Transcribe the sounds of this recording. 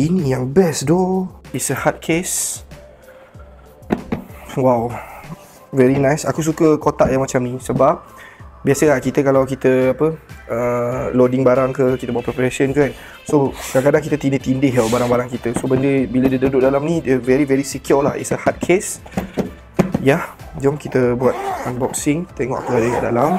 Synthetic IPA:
inĩjaŋbɛsdoisəhat̪̚kʰes | waw | vɛɾinãjsakus̬ukəkot̪aʔjaŋmat͡ʃamnĩsəbap̚ | biasəlakit̪əkalawkit̪əapəəlodɪŋbaɾaŋkəkit̪əbuat̪ʔ̚pɾɛpaɾasənkan | sokakadaŋk̬it̪ət̪indət̪indɪɦjabaɾaŋbaɾaŋkit̪əsobəndəbilədədudʊʔ̚dalamnĩdəvɛɾivɛɾisikiulahḭsəhat̪̚kʰes | jad͡ʒɔmkit̪əbuat̪̚anbɔk̚sɪŋt̪ɛŋɔ̰ʔa̰pəadəka̰ʔda̰lam

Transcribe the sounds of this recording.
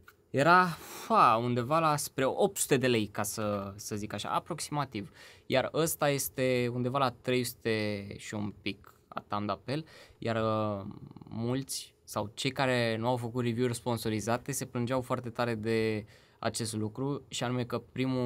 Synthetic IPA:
je̞ɾafaund̪e̞valaspɾe̞o̞p̚t̪su̥t̪e̞d̪e̞le̞jkasəsəzikaʃa̰a̰pɾo̞ksimat̪ivjarəst̪aje̞st̪e̞und̪e̞valat̪ɾe̞jsu̥t̪e̞ʃiumpik | a̰t̪amd̪ape̞ljʔar | mult̪sʲ | sawt͡ʃe̞jkaɾe̞nuawfəkut̪rivjuurʲspo̞nso̞ɾizat̪e̞se̞plɨnd͡ʒawfoart̪e̞t̪aɾe̞d̪e̞ | a̰t͡ʃe̞st̪lukɾuʃianume̞kəpɾimu

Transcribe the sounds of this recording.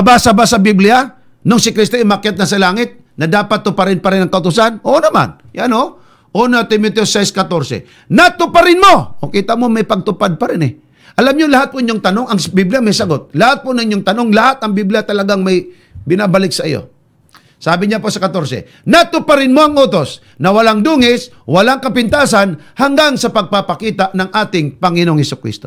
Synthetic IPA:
ɐbasɐbasɐbiblɪja | noŋsɪkɾist̪oʔɪmakjat̪̚nɐsɐlaːŋɪt̪̚ | nɐd̪aːpat̪ːʊpɐɾɪnpɐɾɪnɐŋkɐʔʊt̪ʊsanoʔnɐma̰n | jano | ʔonɐt̪ɪmot̪osɛjskɐt̪o̞ɾsɛ̰ | nat̪ʊpaɾɪnmo̞ʔokiːt̪ɐmomɐjpɐɡ̚t̪ʊpad̪̚pɐɾɪnɛ | ʔɐlamɲolɐhat̪̚poʔɪɲːoŋt̪ɐno̞ŋɐŋsbibljamɐjsɐɡot̪̚lɐhat̪̚ponɐŋʔɪɲːoŋt̪ɐno̞ŋlɐhat̪ɐŋbibljat̪ɐlɐɡaŋmɐj | bɪnabɐlɪk̚sɐʔḭjo̰ | saːbɪɲaposɐkɐt̪o̞ɾsɛ̰ | nɐt̪ʊpaɾɪnmoɐŋʔoːt̪o̞s | nɐwɐlaŋd̪uːŋɪs | wɐlaŋkɐpɪnt̪aːsanhɐŋɡaŋsɐpɐɡ̚papɐkiːt̪aʔnɐŋʔaːt̪ɪŋpɐŋɪnoŋhɪsʊkɾḭst̪o̰

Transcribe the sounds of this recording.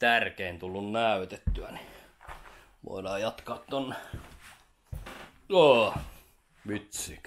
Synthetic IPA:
t̪ærkeint̪ulːunnæyt̪et̪ːyæ̰ni | ʋo̰ˑinɑːjɑt̪kɑːt̪t̪onːe | joː | myt̪siːk

